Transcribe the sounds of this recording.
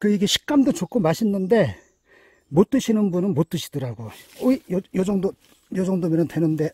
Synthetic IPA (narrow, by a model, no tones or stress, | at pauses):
kɯiɡe̞ɕʰi̥k̚k͈amdot͡ɕok͈ʰomaɕʰinːɯnde̞ | mot͈ɯɕʰinɯnbunɯnmot͈ɯɕʰi̥dɯɾaɡooijjod͡ʑʌŋdo | jod͡ʑʌŋdomenɯntwenɯnde̞